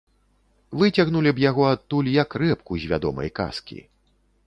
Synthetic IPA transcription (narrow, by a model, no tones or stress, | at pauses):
vɨt͡sʲaɣnulʲibjaɣɔat̪ːulʲjɐkrɛpkuzʲvʲa̰d̪ɔ̰mɐ̰jka̰skʲḭ